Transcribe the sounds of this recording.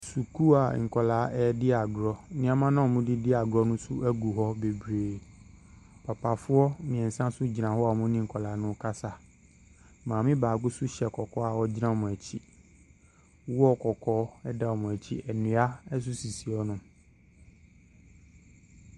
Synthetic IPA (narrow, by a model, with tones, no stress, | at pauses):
su˨kʰu˦a˨ŋ̩˨kʰɔ˨laː˨˦ʔɛ˦dɪ˦a˨ɡɾɔ˦nɪ̃˦a˨mã˦nã˦˨mʊ̃˦dɪ˦dɪ˦a˨ɡɾɔ˦nʊ̃˦sʊ˦ʔæ˦ɡu˨ɦɔ˦be˨bɾeː˨ | pʰa˨pʰa˨fʊ˦ɔ˦mĩ˨ɛ˨n˨sã˦sʊ˦d͡ʑi˨nã˨hɔ˦a˨mʊ̃˦nɪ̃˦ŋ̩˨kʰɔ˨laː˨˦nʊ̃˦kʰa˦sa˨ | mãː˨mɪ̃˦baː˨ɡʊ˦sʊ˦ɕɛ˨kʰɔ˨kʰɔ˦a˨wɔ˦d͡ʑi˦nã˦˨mʊ̃˨æ˨t͡ɕʰi˦ | wu˦ɔ˦kʰɔ˨kʰɔː˦ɛ˦da˦wɔ˨mʊ̃˨æ˨t͡ɕʰḭ˦ɛ˨nʊ̃˨˦a˦ɛ˦s̬ʊ˦si˨si˨ɔ˦nʊ̃˦